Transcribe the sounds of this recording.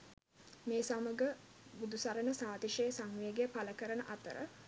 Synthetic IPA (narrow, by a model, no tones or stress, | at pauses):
meːsaməɡə | bud̪usaɾənəsaːd̪iʃejsaŋʋejəɡejəpaləkəɾənəʔat̪ə̰ɾə̰